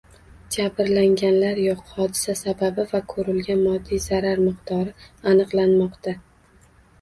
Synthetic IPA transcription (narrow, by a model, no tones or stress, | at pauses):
d͡ʒabɪɾlaŋɡʲanlaɾjɒqhɒd̪ɪ̥sasababɪvakʰɵɾɪlɡʲanmɒd̪ːijzaɾaɾmɨqt̪ʰɒɾɪanɨqlˠanmɒqt̪ʰa